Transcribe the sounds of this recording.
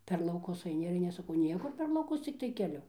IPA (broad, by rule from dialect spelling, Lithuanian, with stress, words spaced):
pʲɛr lˠɐʊˈkʊs ɐɪˈnʲɪ ɪr ɐɪˈnʲɪ ɐʃ sɐˈkɐʊ ˈnʲiɛkʊr pʲɛr lˠɐʊˈkʊs t͡sʲɪkˈtɐɪ kʲɛˈlʲʊ